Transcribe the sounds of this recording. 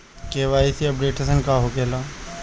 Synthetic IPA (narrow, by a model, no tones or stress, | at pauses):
keʋaːisiɐpɖeːʈəsənkaɦokelaː